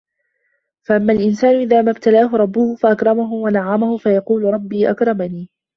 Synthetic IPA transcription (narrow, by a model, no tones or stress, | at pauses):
faʔamːaːlʔɪnsaːnʊʔɪðaːmabt̪alaːɦʊɾˤɑbːʊhʊfaʔakɾˤɑmaɦʊwanaʕamahʊfajɑquːlʊɾˤɑbːiːʔa̰kɾˤɑmaniː